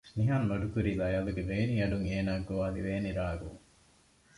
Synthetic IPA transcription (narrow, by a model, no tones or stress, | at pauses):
niɦɐnːoɖukuɾilɐjɐluɡebeːniɐɖuŋeːnaːɡoʋaːliʋeːniɾaːɡṵŋ